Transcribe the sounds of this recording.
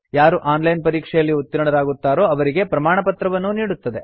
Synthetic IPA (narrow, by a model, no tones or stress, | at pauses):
jaːɾuʔaːnlɐjnpɐɾiːkʂɛjɐlːiut̪ːiɾɐɳɐɾaːɡut̪ːaːɾo̞ːɐʋɐɾiɡe̞pɾɐmaːɳɐpɐt̪ɾɐʋɐnːuniːɽut̪ːɐd̪e̞